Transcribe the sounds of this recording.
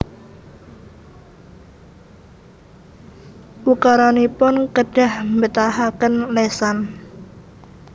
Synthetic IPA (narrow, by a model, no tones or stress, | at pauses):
ʔukaɾanipʊnkəɖ̥a̤hmbət̪aɦakənlesan